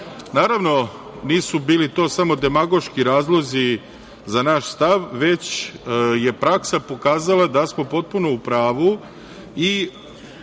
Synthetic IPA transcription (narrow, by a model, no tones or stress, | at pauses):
naːɾaʋno̞ | niːsubiːlit̪o̞ːsamo̞d̪e̞maɡo̞ʃkiɾaːzlˠo̞zi | zanaʃst̪aʋʋe̞t͡ɕ | je̞pɾaksapo̞kaːzalˠad̪asmo̞po̞t̪̚puno̞upɾaːʋu | i